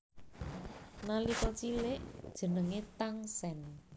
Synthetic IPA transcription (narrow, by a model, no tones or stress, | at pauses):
nalikəlt͡ʃilɪʔd̥ʒ̥ə̤nəŋet̪aŋsɛn